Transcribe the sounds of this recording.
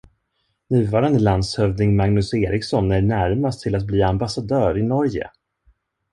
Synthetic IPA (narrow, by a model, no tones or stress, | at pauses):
nʉ̟ːvɑːɾand̪əland̪shœvd̪ɪŋmaŋnɵseːɾɪksɔnːæɳæɾmast̪ʰɪlat̪̚bliːambasad̪œːɾɪnɔɾjə̰